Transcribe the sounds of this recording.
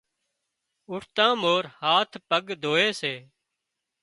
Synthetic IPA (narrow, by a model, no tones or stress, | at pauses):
ʊʈʰt̪ãːmoːɾhaːt̪ʰpəɡd̪ʱoːeːseː